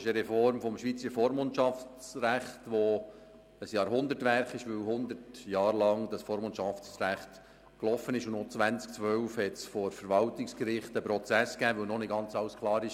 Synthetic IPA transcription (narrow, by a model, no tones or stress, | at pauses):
ɪʃəɾɛfɔɾmfɔmʃʋiːt͡səfɔːɾmontt͡ʃɑft͡sræχtʋɔ | əsjɑːɾɦʊnd̪ətʋæɾχɪʃʋɵwhʊnd̪ətjɑːɾlɑŋd̥ɑsfɔːɾmont͡ʃɑft͡sræχt̪ | klɔfənɪʃʊnot͡svænt͡sk̚t͡sʋœwfhɛtsfɔɾfəɾʋɑlt̪ɪkskɾɪχtəpɾɔt͡sæskæːʋœwnɔnɪɡ̥ɑnt͡sɑwskʰlˠɑːɾɪʃ